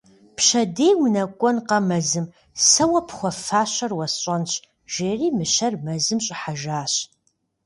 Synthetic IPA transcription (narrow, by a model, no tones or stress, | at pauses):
pɕɐdejwnɐkʷʼɔnqɐmɐzɨm | sɐwɐpʰχʷɔfaːɕɐrwɐsɕʼɐnɕ | ʒ̥eːriːmɨɕɐrmɐzɨmɕʼɪħaʒaːɕ